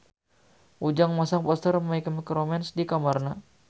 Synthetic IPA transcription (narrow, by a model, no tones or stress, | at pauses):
ʔud͡ʒaŋmasaŋpɔst̪ərmaikəmikɾomɛnsdikamarna